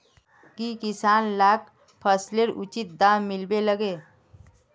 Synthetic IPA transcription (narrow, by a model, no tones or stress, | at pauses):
kikisanlak | pʰəsleɾʔut͡ʃit̪̚d̪amilbeləɡe